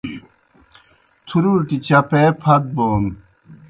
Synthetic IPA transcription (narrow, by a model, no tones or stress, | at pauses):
t̪ʰuɾuɾʈit͡ɕɐpepʰɐt̪̚boːn